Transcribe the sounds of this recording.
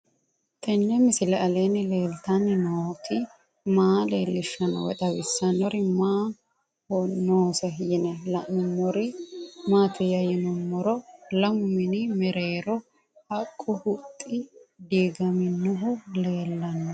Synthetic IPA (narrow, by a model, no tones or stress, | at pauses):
t̪ʰɛnːɛmɪsɪlɛɐleːnɪleːlt̪ɐnɪnoːt̪ʰɪ | maːleːlːɪʃːɐnɔ̰wɛ̰t̪ʼɐbɪsːɐnɔɾɪmaː | ɔnoːsɛjɪnɛlɐmʊmːɔɾɪmaːt̪ɛjɐjɛnʊmːɔɾɔlɐmʊmɪnɪmɛɾeːɾɔ | hɐkʼːʊhʊt̪ʼːɪd̪iːɡɐmɪnʊɦʊle̞ːlːɐnːɔ